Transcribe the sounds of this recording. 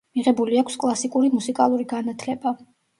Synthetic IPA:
miʁɛbuliakʰskʼlˠasikʼuɾimusikʼa̰lˠuɾiɡanat̪ʰlɛba

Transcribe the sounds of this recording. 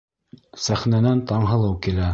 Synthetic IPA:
sæχnænænt̪ɑɴɦɤ̆lˠɤwkilæ

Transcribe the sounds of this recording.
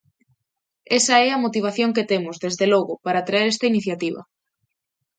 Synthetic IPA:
esɐɛɐmot̪iβ̞aθjoŋket̪emʊzðezðelɔɣʊpaɾaːt̪ɾaeɾest̪ɐiniθjat̪iβɐ̰

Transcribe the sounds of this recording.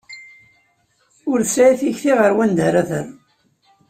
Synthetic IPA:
ʊɾsæiθiçθiʁəɾwænd̪əɾæθə̰ɾ

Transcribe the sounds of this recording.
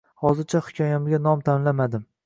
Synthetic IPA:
hɒzɪɾt͡ʃʰahʊ̥kʰʲɒjamɪɡʲanɒmt̪ʰanlamad̪ɪm

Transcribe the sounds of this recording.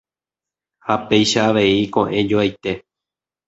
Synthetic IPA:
hape̞jʃaːʋe̞ikõ̞ʔẽ̞d͡ʒoajt̪e̞

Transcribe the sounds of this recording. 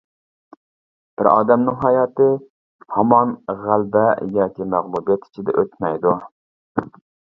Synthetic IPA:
b̥ɪɾɑ̰ːd̪ɛmnɪŋɦɑjɑt̪ɪ | hɑmɑnʁælbɛjɑːkʲimæʁlˠubjɑt̪i̥t͡ʃʰid̪ɛ̰ʔøt̪mɛjd̪u

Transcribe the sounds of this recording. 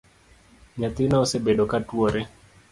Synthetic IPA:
ɲat̪ɪnaosebeɗokatwoɾe

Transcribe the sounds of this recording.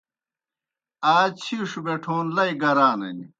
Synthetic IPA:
aːt͡ɕʰiːʂubeʈʰoːnlɐiɡɐɾaːnɐ̰nḭ

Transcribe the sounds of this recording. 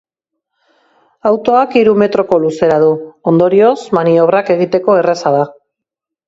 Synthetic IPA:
awt̪o̞akiɾume̞t̪ɾo̞ko̞luse̞ɾaðuo̞nd̪o̞ɾio̞smanio̞β̞rake̞ɣ̞it̪e̞ko̞e̞resað̞a

